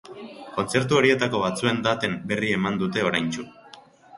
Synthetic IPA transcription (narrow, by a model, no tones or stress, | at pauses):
ko̞nt͡se̞ɾt̪̬uo̞ɾie̞t̪ako̞βat͡sue̞nd̪at̪e̞mbe̞rie̞mand̪ut̪e̞o̞ɾajnt͡ʃu